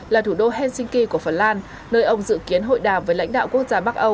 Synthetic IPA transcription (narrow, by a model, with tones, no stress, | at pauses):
laː˨˩t̪ʰu˧˩ɗo˧ɦɛ˧nsï˧ŋ̟ki˧ku˧˩əfə˨˧˩nlaː˧nː | əː˧jʔə˧wŋ͡mzɨ̰˧˨ki˨˦ənɦo̰˧˨jɗaː˨˩mvəː˨˦jla̰˧˥ŋ̟ɗa̰ː˧˨ku˦˥ək̚zaː˧ɓa˦˥k̚ʔə˧w